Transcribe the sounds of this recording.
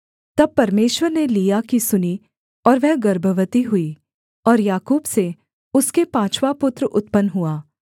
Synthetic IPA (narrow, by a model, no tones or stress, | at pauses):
t̪ɐb̚pːɐɾmeːʃwəɾnelijakisʊni | ɔːɾʋɛɦɡɐɾbʱəʋət̪iɦʊiː | ɔːɾjaːkuːbse | ʊskepãːt͡ʃʰʋapʊt̪ɾəʔʊt̪pənɦuaː